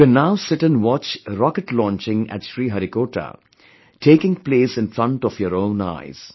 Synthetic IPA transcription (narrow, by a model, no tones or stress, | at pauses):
kɛ̃nːaʊsɪʈɛ̃nwɔt͡ʃɾɔkəʈlɔ̃ːnt͡ʃɪ̃ŋæ̰ʈʃɾiːɦaɾikoːʈa̰ | ʈʰeːkɪ̃ŋpleːsɪ̃nfɾʌ̃ɳʈɔfjɔɾõʊ̃na̰ɪz̥